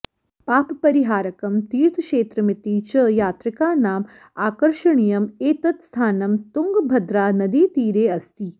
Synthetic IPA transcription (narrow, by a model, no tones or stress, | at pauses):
paːppɐɾiɦaːɾɐkɐmt̪iːɾt̪ʰkʃeːt̪ɾɐmɪt̪it͡ʃɐjaːt̪ɾikaːnaːm | aːkɐɾʃɐɳijɐmeːt̪ɐt̪st̪ʰaːnɐmt̪uŋɡbʱɐd̪ɾaːnɐd̪iːt̪iːɾeːɐst̪ʰi